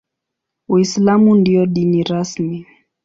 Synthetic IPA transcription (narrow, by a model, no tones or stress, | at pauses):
uislamundiɔɗiniɾasmi